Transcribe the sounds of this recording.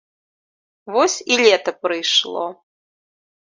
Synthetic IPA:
vɔsʲilʲɛt̪ɐpɾɨjʂlˠɔ̰

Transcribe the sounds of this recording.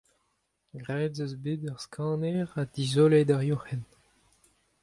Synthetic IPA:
ɡʁɛːdzøzbedœʁskʰɑ̃ːnɛʁad̪̥izoled̪aʁjɔ̃hɛn

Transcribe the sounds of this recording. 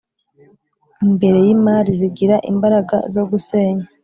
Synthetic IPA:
imbe̞ɾe̞jimaːɾiziɡiɾaʔḭmbaɾaɡa̰zo̞ɡuse̞ːɲa

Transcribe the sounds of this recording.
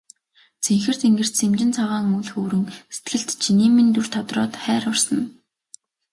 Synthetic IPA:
t͡sʰeŋxɘ̆r̥t̪eŋɡɘ̆r̥t̪semt͡ɕɪ̆nt͡sʰɔʁaːŋuɮxoːɾɵ̆ŋse̥t̪ɡɘ̆ɬt̪t͡ɕʰiniːmːint̪ur̥t̪ʰɔt̪rɔːt̪χæːɾʊrsə̆n

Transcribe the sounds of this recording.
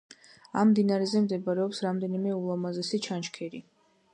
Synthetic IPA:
a̰mːd̪inaɾɛzɛmd̪ɛbaɾɛɔpsɾamd̪ɛnimɛulˠamazɛsit͡ʃʰanʃkʰɛɾi

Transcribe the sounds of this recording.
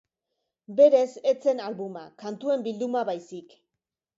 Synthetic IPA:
be̞ɾe̞se̞t͡se̞nalβuma̰kant̪ue̞mbild̪umaβajsik

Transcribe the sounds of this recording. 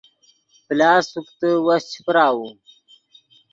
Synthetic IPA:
plɑːsukt̪əwast͡ɕʰi̥pɾaːwu

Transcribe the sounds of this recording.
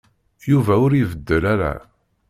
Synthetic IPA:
juvæʊɾivəd̪ːəlæɾæ̰

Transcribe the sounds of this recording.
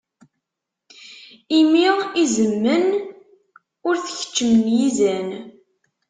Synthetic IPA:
imiʁizəmːən | ʊɾθə̥çə̥t͡ʃːəmənjizæn

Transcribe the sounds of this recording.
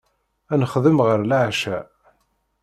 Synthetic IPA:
ænəχðəmʁəɾlaʕʃæ

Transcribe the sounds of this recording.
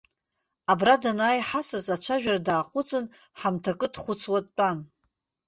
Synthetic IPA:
abradanaːjħasazat͡ʃʷʰaʒᶣaradaːqʷʼʊt͡sʼɨn | ħamtʰakʼɨdχʷʊt͡sʰwatːʼan

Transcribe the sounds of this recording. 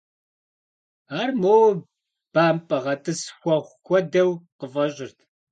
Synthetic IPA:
aːrmoːw | b̥aːmpʼɐʁɐtʰʼɨsxʷɐχʷkʷʰʼɔdɐwqəvɐɕʼɪrtʰ

